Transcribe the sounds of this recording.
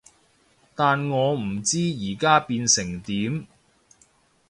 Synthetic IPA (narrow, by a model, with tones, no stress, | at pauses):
t̪aː˨nŋɔː˨˧m̩˨˩t͡siː˥jiː˨˩kaː˥piː˧nsɪ˨˩ŋt̪iː˨˥m